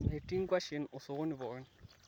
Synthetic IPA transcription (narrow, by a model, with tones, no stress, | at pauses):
e˨tʼi˦ŋ̩˦kwa˦ʃe˨nʊ˨sʊ˨ɣʊ˦ni˨βɔ˨˦n